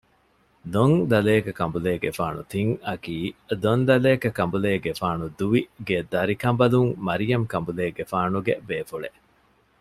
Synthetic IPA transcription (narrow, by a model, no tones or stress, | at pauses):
d̪oŋd̪ɐleːkɐkɐmbuleːɡefaːnṵt̪iŋɐkiːd̪ond̪ɐleːkɐkɐmbuleːɡefaːnud̪uʋiɡed̪ɐɾikɐmbɐluŋmɐɾijɐmkɐmbuleːɡefaːnuɡebeːfuɭeʔ